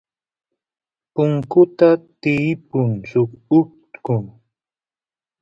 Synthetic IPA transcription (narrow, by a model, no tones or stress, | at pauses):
pʊŋkʊt̪at̪ɪːpʊnsʊkʊ | kʊŋ